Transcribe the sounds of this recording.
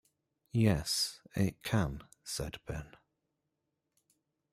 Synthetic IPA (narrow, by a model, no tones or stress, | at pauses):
jɛsɪt̚kʰə̃n | sɛ̰dbɛ̃n